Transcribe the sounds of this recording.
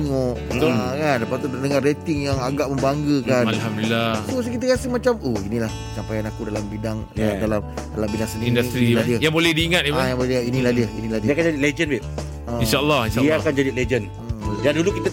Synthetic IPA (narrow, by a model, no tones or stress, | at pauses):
ŋoʔt̪kanləpat̪utənəŋaret̪ɪŋjaŋaɡaʔmə̃mbaŋɡəkanalhamdulilːat̪us̬ikit̪əkasɪhmat͡ʃamohinĩlah | sampajanakudalambidaŋaadalamdalambidaŋsəniindat̪ɾiiladiəjaŋbolɛhdiiŋat̪̚iajaŋbolɛlinĩlahdiəinĩladidiakand͡ʒadiled͡ʒənbɪ | əinʃalːɑhinʃaiakand͡ʒadiled͡ʒən | ədandulukit̪ə